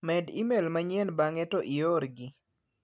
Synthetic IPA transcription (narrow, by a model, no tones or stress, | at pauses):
mɛdimelmaɲɛnbaŋɛtoʔioɾɡi